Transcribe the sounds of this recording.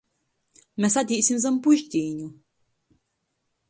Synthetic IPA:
mʲɛsad̪ʲiːsʲimzɐmpuʃt̪ʲiːnʲu

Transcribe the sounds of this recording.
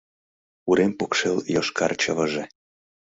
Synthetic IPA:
uɾempokʃeljoʃkɑrt͡ɕəβəʒe

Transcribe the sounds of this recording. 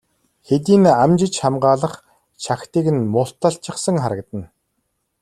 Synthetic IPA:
xet̪̬iːnamt͡ɕɪ̆t͡ɕχamɢaːɮə̆χ | t͡ɕʰaxt̪iːkɘ̆nmʊɬt̪ːə̆ɬt͡ɕɪ̆χsə̆ŋχaɾə̆k̚t̪ə̆n

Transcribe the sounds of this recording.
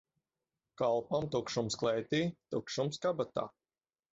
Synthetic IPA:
kalˠpamt̪ukʃumsklˠɛjt̪iːt̪ukʃumskabat̪a̰ː

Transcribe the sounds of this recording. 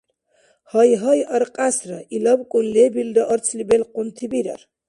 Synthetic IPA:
hɔjɦɔjəɾqʼasɾəilɔbkʼunlibildɔʔɔɾt͡sʰlibɛlqʼunt̪ʰibiɾə̰ɾ

